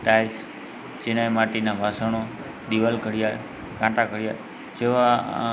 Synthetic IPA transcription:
ʈajs | t͡ʃenajmaʈinabʱasəɳo | ɗ̪iʋəlkəɽɪja | kãʈakəɽja̰ | d͡ʒeʋa

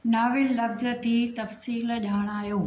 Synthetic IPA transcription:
naːʋɪlːɐfzə̆t̪ʰit̪ɐfsiːlʄaːɽ̃aːɦijoː

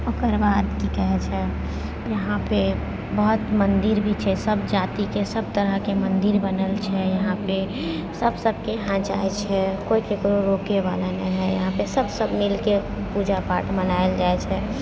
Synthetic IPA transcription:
okəɾbad̪kikɛɦɛt͡ʃʰɛ | jəɦãpe | bəɦʊt̪mənd̪iɾbʱit͡ʃʰɛsəbd͡ʒat̪ikesəb̚t̪əɾəɦkemənd̪iɾbənəlt͡ʃʰɛjəɦãpe | səbsəbʱkeɦãd͡ʒa̰ɛt͡ʃʰɛkoikekɾoɾokeʋa̰lanəɦɛjəɦãpesəbsəbmilke | pud͡ʒapaʈmənaeld͡ʒaɛt͡ʃʰɛ

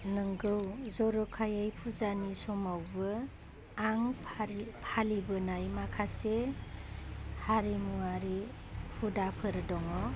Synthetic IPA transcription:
nɯŋɡɯwzɔɾɔkʰajajpʰuzanisɔmawbɯ | aŋ | pʰalibɯnajmakʰase | haɾimuaɾi | pʰudapʰɯɾɯdɔŋɔ

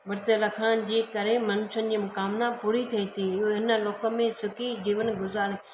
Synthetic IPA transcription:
ʋɐɾt̪əlɐkʰaːnd͡ʑeːkɐɾemɐnsənɪ̆d͡ʑiːmʊkaːmnapuːɾit̪ʰɐit̪ʰiɦɪnə̆lɔːkə̆mẽsʊkid͡ʑiːʋənɪ̆ɡʊzaːɾe

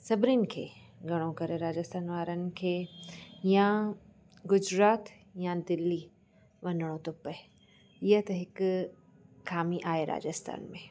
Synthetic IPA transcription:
sɐbɾinɪ̆kʰḛː | ɡʱɐɽ̃õkɐɾeɾaːd͡ʑəst̪ʰaːnʋaːɾənɪ̆kʰeːjã | ɡʊd͡ʑɾaːt̪ | jãd̪ɪlːi | ʋɐnəɽ̃õt̪ʊpə | ɪjət̪ɐɦɪkː | aːmiʔaːɦeɾʔa̰ːd͡ʒəst̪ʰa̰ːnmẽ

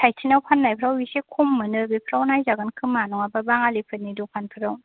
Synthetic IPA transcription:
tʰajtʰinawpʰanːajpʰɯɾawisekʰumːɯnɯbipʰɾawnajzaɡɯnkʰɯmːanɔŋababaŋalipʰɯnidupʰanpʰɯɾaw

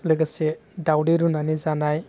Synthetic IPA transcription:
lɯɡasedawdiɾunanizanaj

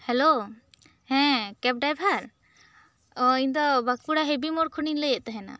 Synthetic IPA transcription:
hɛlo | hɛ̃kɛp̚ɖajbʱaɾ | ɔind̪ɔbak̚puɽaɦebimɔɾkʰuninləjɛʔt̪aɦɛna̰

